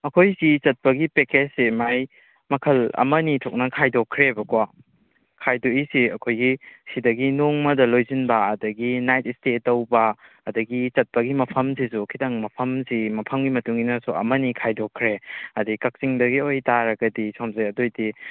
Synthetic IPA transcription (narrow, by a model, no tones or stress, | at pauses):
ɐkʰojsit͡ʃɐt̚pɐɡipeketsimaj | mɐkʰɐlɐ̰mɐnitʰɔk̚nɐkʰajdokʰːɾebɐkwa | kʰajdoisiɐkʰojɡisidɐɡinoŋmɐdɐlojzinbɐːdɐɡinajt̚istetːɐwbɐː | dɐɡit͡ʃɐt̚pɐɡimɐpʰɐmsis̬ukʰitɐŋmɐpʰɐmsimɐpʰɐmɡimɐtuŋinɐsuɐ̰mɐnikʰajdokʰːɾeɐdikɐk̚siŋdɐɡiojtaɾɐɡɐdisomzɐjɐdojdi